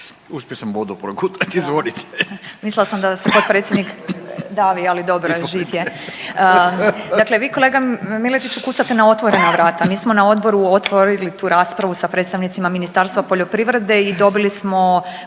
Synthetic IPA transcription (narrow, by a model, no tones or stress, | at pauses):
uspʲjosambod̪upɾoɡut̪at̪izʋonit̪emislilasamd̪asepo̞t̪̚pɾet̪sjed̪nikd̪aːʋialid̪o̞bɾoʒiːʋje | d̪akleʋiːko̞leɡamilet̪it͡ɕukuːtsat̪enao̞t̪ʋoɾe̞naʋɾaːt̪amiːsmo̞nao̞d̪bo̞ɾuot̪ʋoɾilit̪uːɾaːspɾaʋusapɾet̪st̪aʋnit̪simaminist̪aɾst̪ʋapo̞ʎo̞pɾiʋɾe̞d̪e̞id̪o̞bilismo̞